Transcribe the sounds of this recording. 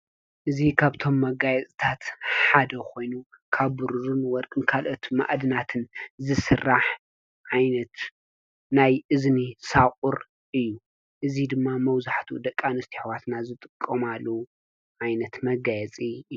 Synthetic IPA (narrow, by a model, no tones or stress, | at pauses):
ʔɨzikʰaβt̪ʰo̞mːɐɡajɛt͡sʼt̪ʰat̪ħad̪ɐkʰo̞jnu | kʰaβːuɾuɾunwɔɾkʼɨnkʰalʔot̪ma̰ʔd̪ɨnat̪ʰɨnzɨsɨrːaħ | ʕajnɐt̪ | najʔɨznisakʼʊɾ | ʔɨjːu | ʔɨzid̪ɨmːamɐwzaħt̪ʰud̪ɐkʼːanɨst̪ʰi̥ħwat̪nazɨt̪ʼɨkʼːɐmalːɐwu | ʕajnɐt̪mɐɡajɛt͡sʼiɨ